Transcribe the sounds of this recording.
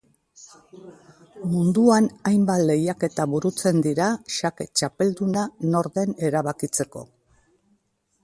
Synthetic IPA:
mund̪uanajmbat̪le̞jake̞t̪aβuɾut͡se̞nd̪iɾaʃake̞t͡ʃape̞ld̪unano̞ɾðe̞ne̞ɾaβakit͡se̞ko̞̰

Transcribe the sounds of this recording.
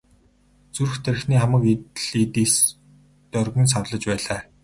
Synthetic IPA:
t͡surxt̪ʰer̆xniːχamə̆kit̪ɮit̪iːs | t̪œrɣɘ̆ns̬awɮə̆t͡ɕpæːɮaː

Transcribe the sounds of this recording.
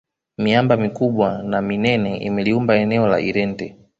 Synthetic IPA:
miambamikuɓwanaminɛnɛḭmɛliumbaɛnɛɔla̰ʔiɾɛntɛ

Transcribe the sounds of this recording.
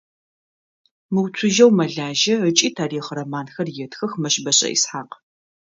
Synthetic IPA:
mɨwt͡sʷʰʊʒɐwmɐɮaːʒɐət͡ʃʼiːtʰaːriːχrɐmaːnxɐrjɛtxɐxmɐʃbɐɕʼɐ̰ʔḭsħaːq

